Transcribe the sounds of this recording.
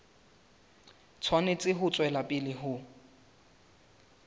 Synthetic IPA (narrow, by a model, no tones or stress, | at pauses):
t͡sʰwanet͡sʼɪɦʊt͡sʼwɛlapʼɪlɪɦʊ